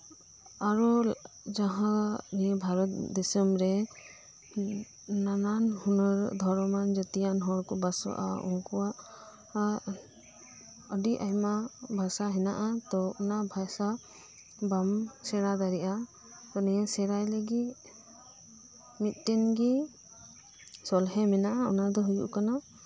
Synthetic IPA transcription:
aɾɔ | d͡ʒãɦãnɛbʱaɾɔt̪̚d̪ɛsəmɾɛ | nananhunɔɾd̪ʱɔɾmand͡ʒət̪ɛjanɦɔɾkɔbasɔ̰ʔa̰ṵŋkɔwaʔ | əɖiʔajmabʱasaɦɛnaʔat̪ɔɔnabʱasa | bamsɛɾad̪aɾiʔa | t̪ɔnɛasɛɾajlɛɡi | mit̪̚ˀʈɛnɡi | sɔlɦɛmɛnaʔaɔnad̪ɔɦujṵʔkana

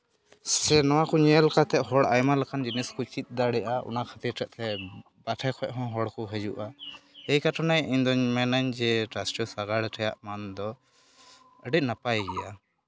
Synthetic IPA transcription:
sɛnɔwakuɲɛlkat̪ɛʔɦɔɽa̰jmalakand͡ʒiniskut͡ʃit̪̚ˀd̪aɽɛʔaʔɔ̰nakʰat̪iɾʈʰɛʔ̚t̪ʰɛ | baʈʰɛkʰɔɛʔɦɔ̃ɦɔɽkuɦɛd͡ʒṵʔaɛjkaʈʰɔnajiɲd̪ɔɲmɛnaɲd͡ʒɛʈɾasʈɔsaɡaɽʈʰɛjaʔmand̪ɔ | əɖic̪̚napajɛɡɛʔa

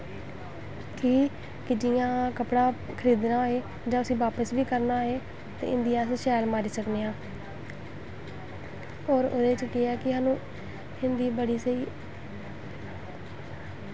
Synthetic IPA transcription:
kʰiː | kɪd͡ʒɪjãːkəpɽãː | kʰəɾiːd̪nãːeː | d͡ʒãːʊsĩːʋaːpəsbiːkəɾnaːeː | t̪ḛːʔɪ̰̃nd̪ɪjãːsʃɛːlmaːɾiːsəkneːãː | oːɾo̰ːd̪eːt͡ʃkɪɛːkɪɦaːnũː | ɪnd̪iːbəɽiːsəiː

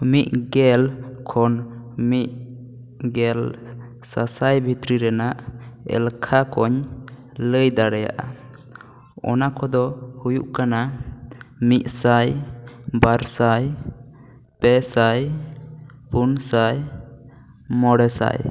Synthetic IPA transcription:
miʔ̪̚ɡɛlkʰɔnmiʔ̪̚ | ɡɛl | sasajbʱit̪ɾiɾɛnaʔɛ̰lkʰakɔɲ | ləjd̪aɽɛja̰ʔa | ɔ̰nakɔd̪ɔhujuʔkana | mit̪̚sajbaɾsaj | pɛsaj | punsaj | mɔɽɛsa̰j

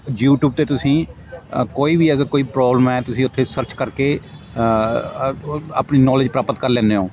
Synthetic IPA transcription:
jjuːʈjuːb̚t̪eːt̪ʊsĩː | koːiːbʱiːəɡəɾkoːiːpɾɔːbləmɛːt̪ʊsĩːʊt̪ʰːeːsəɾt͡ʃkəɾkeː | a̰ːpniːnɔːlɪd͡ʒpɾaːpət̪kəɾlɛ̃ːneːɦõː

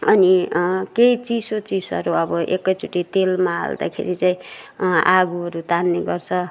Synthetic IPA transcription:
ʌnikeit͡sisot͡sisʌ̰ɾuʌbʌʔekːʌjt͡sʰuʈːit̪elmaɦa̰ld̪a̰kʰḛɾit͡saĩ | aɡuʌɾut̪anːeɡʌrt͡sʰʌ

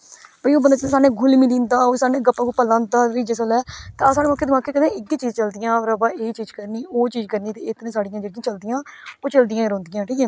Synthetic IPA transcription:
bəioːbənd̪aːt͡ʃ̪eːsaːnẽːɡʊlmĩːd̪ĩːnd̪aːoːsaːneːɡəpːãːkuːpəlãːd̪aːɾiːd͡ʒeːsəlɛːt̪esaːɽeːmaːkːeːd̪maːkːeːkəd̪ẽːɪɡiːt͡ʃiːd͡ʒt͡ʃəld̪ɪjãːɾəbaːeːt͡ʃiːd͡ʒkəɾniːoːt͡ʃiːd͡ʒkəɾniːt̪eːɪt̪nẽːsaːɖɪjãːd͡ʒeɽɪjãːt͡ʃəld̪ɪjãːoːt͡ʃəld̪ɪjãːɾõːnd̪ɪjãːʈʰiːkɛː

